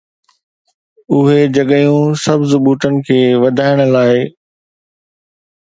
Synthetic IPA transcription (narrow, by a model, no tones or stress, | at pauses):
ʊɦed͡ʑɐɠəjũsɐbʱzʊɓuːt̪ənɪ̆kʰeːʋɐd̪ʱaːɪɽ̃ə̆laːɪ